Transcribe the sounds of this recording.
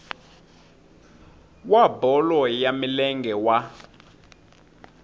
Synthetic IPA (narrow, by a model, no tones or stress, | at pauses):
wabɔlɔjamilɛŋɡʱɛwa